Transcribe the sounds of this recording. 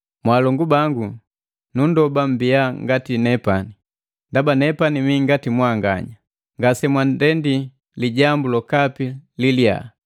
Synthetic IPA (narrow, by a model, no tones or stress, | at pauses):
mwaːlɔŋɡubaŋɡu | nundɔbam̩biaŋɡatinɛpani | ndabanɛpanimiŋɡatimwaŋɡa̰ɲa | ŋɡasɛmwandɛndi | liɟambulɔkapililja̰